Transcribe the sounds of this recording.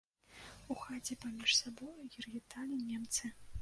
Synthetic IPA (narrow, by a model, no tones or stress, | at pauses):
uxat͡sʲipamʲiʂsabɔjuɣʲirɣʲit̪alʲinʲɛmt̪sɨ